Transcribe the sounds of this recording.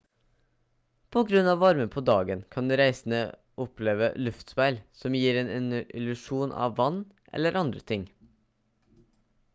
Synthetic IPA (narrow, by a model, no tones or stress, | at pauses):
pʰoɡɾʉnɑːʋɑɾməpʰod̪ɑːɡənkʰɑnɾæɪsn̩ə̰ | ʔɔpʰleːʋə̰lʉft̪spæɪlsɔmjiːɾeːnɪnɪlʉʂuːnʔɑ̰ʋːɑnː | ʔɛ̰lːəɾɑnd̪ɾət̪ʰɪŋ